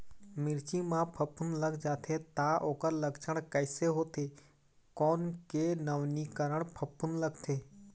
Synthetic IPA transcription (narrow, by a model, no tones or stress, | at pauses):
mɪɾt͡ʃimãːpʰəpʊnləɡd͡ʒaːt̪ʰet̪aʔoːkəɾləɡt͡ʃʰəɽ̃kəɪseɦoːt̪ʰeː | kɔːnkeːnəʋnikəɾəɳ̃pʰəpʊnləɡt̪ʰeː